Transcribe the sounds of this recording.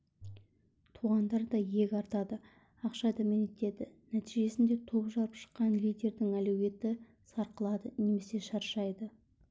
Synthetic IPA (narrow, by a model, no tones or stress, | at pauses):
t̪ʰuʁɑnd̪ɑɾd̪ɑje̞kʲɑɾt̪ɑd̪ə | ɑqʃɑd̪ɑmenet̪e̞d̪ɪnæt̪iʒe̞sɪnd̪e̞t̪ʰo̞pʒɑɾəpʃə̥qːɑnlijd̪ʲe̞ɾd̪ɪŋælewʲe̞t̪ɪ | sɑɾqəlˠɑd̪əne̞me̞seʃɑɾʃɑjd̪ə